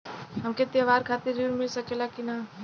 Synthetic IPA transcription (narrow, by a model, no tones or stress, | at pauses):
ɦəmket̪jaʋaːɾkʰaːt̪iɾiɾmɪlsəkelakina